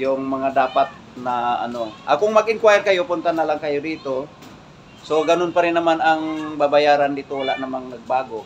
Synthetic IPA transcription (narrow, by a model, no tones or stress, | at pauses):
jʊŋmɐŋad̪aːpat̪̚nɐʔɐ̰no̞ʔɐkoŋmɐɡɪŋkwajɛɾkɐjo̞pʊnt̪anɐlaŋkɐjod̪iːt̪o̞ | so̞ɡɐnonpɐɾɪnːɐmanɐŋbabɐjaːɾand̪it̪owɐlaʔnɐmaŋnɐɡ̚baːɡo̞